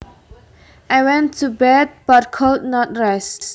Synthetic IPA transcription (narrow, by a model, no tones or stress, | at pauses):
ʔajwɛ̃ntʰːubɛd̚bat̚kʰɔltnɔt̚ɹɛs